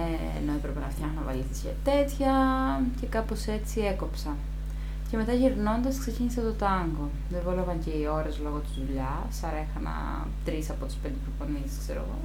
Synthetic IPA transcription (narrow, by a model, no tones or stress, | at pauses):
ḛnoepɾepenɐft̪çɐxnɐvɐ̰liθisçɐ̰t̪e̞t̪çɐce̞kɐpo̞se̞t͡sie̞ko̞psɐ | ce̞me̞t̪ɐʝiɾno̞nd̪ɐskse̞cinisɐt̪o̞t̪ɐŋɡo̞ | ðevolovɐɲceio̞ɾe̞zlo̞ɣot̪izðuʎɐ | sɐɾe̞xɐnɐ̰ | t̪ɾisɐpo̞t̪ispe̞nd̪epɾofo̞niskse̞ɾo̞̰ɣo̞̰